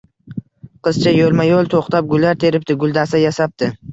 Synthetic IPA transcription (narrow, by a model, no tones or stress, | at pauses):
qʰɨz̥t͡ʃʰajolˠmajolˠt̪ʰoχt̪ap̚ɡʊlˠːaɾt̪ʰe̞ɾɪp̚t̪ɪɡʊlˠd̪asajasap̚t̪ɪ